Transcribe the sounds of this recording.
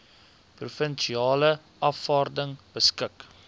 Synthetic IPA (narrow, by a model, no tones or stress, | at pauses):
prufənʃiɑːlə | ʔɐfɑːrdəŋb̥əskək